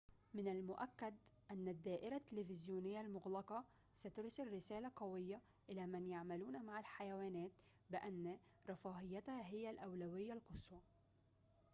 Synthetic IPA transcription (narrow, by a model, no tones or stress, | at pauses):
mɪnalmʊʔakːad̪ʔanːad̪ːaːʔɪɾat̪ːɪlɪfɪzjuːnɪjːalmʊɣlɑqɑ | sat̪ʊɾsɪlːɪsaːlaqɑwɪjːa | ʔɪlamanjaʕmaluːnamaʕalħajawaːnæːt̪ | bɪʔanː | ɾˤɑfɑːɦɪjːat̪haɦɪjːalʔawlawɪjːalqʊswɑ